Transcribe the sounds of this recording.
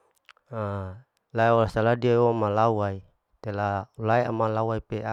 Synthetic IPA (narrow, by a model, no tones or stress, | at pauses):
a | laeolasaladiaomalawai | t̪elaulaeamalawaipea